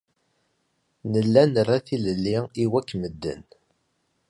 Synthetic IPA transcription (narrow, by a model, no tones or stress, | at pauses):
nəlːænərːaθiləlːiiwækːməd̪ːə̰n